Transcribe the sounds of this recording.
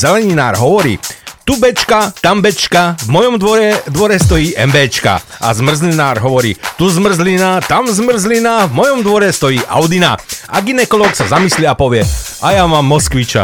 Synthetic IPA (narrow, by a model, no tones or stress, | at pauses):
zɛlɛɲinaːɾɦɔʋɔɾḭːt̪ubɛt͡ʃkat̪ambɛt͡ʃkavmɔjɔmd̪ʋɔɾɛd̪ʋɔɾɛst̪ɔjiːʔɛmbɛːt͡ʃka̰a̰zmr̩zlinaːɾɦɔʋɔɾḭːt̪uzmr̩zlinat̪amzmr̩zlinavmɔjɔmd̪ʋɔɾɛst̪ɔjiːʔa̰ʊd̪ina̰ʔaɡinɛkɔlɔksazamisliapɔʋɪɛʔajamaːmːɔskʋit͡ʃa̰